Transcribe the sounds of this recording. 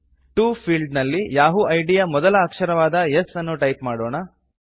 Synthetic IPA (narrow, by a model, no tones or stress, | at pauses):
ʈuːpʰiːlɖnɐlːijaːɦuʔɐjɖijamɔd̪ɐlɐːkʂɐɾɐʋaːd̪ɐjesɐnːuʈɐjpmaːɽɔːɳɐ